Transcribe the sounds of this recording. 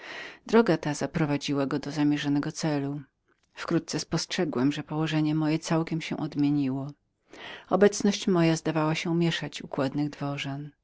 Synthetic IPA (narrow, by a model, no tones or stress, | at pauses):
d̪ɾɔɡat̪azapɾɔvad͡ʑiwaɡɔd̪ɔzamʲjɛʐanɛɡɔt̪sɛlu | fkɾut̪̚t̪sɛspɔstʂɛɡwɛmʐɛpɔwɔʐɛɲɛmɔjɛt̪sawkʲɛmɕɛ̰ʔɔd̪mʲjeɲiwɔ | ɔbɛt̪snɔɕt͡ɕmɔjazd̪avawaɕɛumʲjɛʂat͡ɕukwad̪nɘɣd̪vɔʐɛn